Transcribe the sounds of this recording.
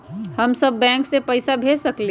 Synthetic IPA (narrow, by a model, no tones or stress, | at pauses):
hɐmsəbːɛ̃ːŋksepəɪsabʱeːsəkle